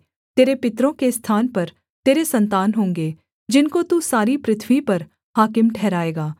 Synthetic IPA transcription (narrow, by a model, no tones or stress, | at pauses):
t̪eːɾepɪt̪ɾõːkest̪ʰaːnpəɾ | t̪eːɾesənt̪aːnɦõːŋɡeː | d͡ʒɪnkot̪usaːɾiːpɾɪt̪ʰʋipəɾ | haːkɪmʈʰɛːɾaːeːɡaː